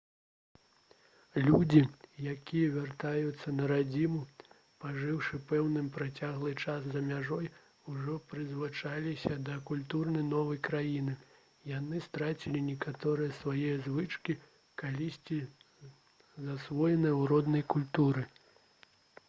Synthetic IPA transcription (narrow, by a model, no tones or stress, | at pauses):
lʲud͡zʲijakʲijɐvʲart̪ajut̪sːɐnɐɾad͡zʲimu | paʐɨwʂɨpɛwnɨmpɾat͡sʲaɣlˠɨt͡ʂaszɐmʲaʐɔj | uʐɔpɾɨzvɨt͡ʂalʲisʲɐd̪ɐkulʲt̪urnɐjnɔvɐjkɾajinɨ | janɨst̪ɾat͡sʲilʲinʲɛkat̪ɔɾɨjɐsvajɛjɐzvɨt͡ʂkʲi | kalʲisʲt͡sʲi | zasvɔjɛnɨjɐwɾɔd̪nɐjkulʲt̪uɾɨ